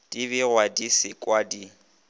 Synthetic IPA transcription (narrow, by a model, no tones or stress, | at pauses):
d̥iβɪɣwadisɪkʼwadi